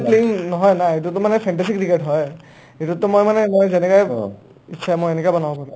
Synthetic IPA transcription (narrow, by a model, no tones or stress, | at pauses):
pleiŋnɔɦɔjnaet̬utʊmanɛpʰɛntɛsik̚diketɦɔj | etutʊmojmanɛmojzɛnɛkaj | it͡ʃːʃʰaɛmojenɛkɔajbɔnabɔpaɹũ